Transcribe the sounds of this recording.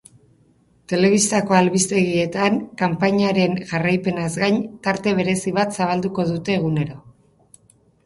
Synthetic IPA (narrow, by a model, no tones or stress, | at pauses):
t̪e̞le̞β̞ist̪ako̞alβist̪e̞ɣie̞t̪aŋkampaɲaɾe̞ŋʝarajpe̞nazɡajɲt̪aɾt̪e̞β̞e̞ɾe̞siβ̞at̪saβ̞ald̪uko̞ðut̪e̞ːɣune̞ɾo̞